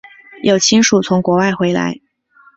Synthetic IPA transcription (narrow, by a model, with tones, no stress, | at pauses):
jo˨˩ʊt͡ɕʰi˥nʂu˨˩t͡sʰʊ˧˥ŋkwɔ˧˥wa˥˩ɪxwe˧˥ɪla̰˧˥ɪ